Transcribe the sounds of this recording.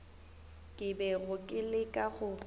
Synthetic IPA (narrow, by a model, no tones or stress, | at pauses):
kʼɪbɛɣʊkʼɪlɪkʼaɣʊ